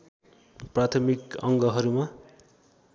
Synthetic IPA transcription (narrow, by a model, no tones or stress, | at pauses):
prat̪ʰʌmikʌŋɡʌɦʌɾuma